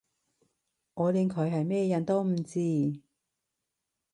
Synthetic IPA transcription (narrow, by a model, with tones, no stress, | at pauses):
ŋɔː˨˧li˨˧ŋkʰɵ˨˧ɥɦɐ˨jmɛː˥jɐ˨˥nt̪o˥wm̩˨˩t͡siː˥